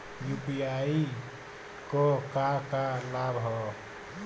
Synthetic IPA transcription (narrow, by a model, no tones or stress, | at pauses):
jupijai | kɔkakalabɦɔ